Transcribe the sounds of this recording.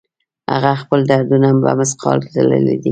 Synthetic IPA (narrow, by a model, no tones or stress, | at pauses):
ha̰ɣaxpəld̪aɾd̪unamba̰masqʰɑlt̪alə̰lid̪i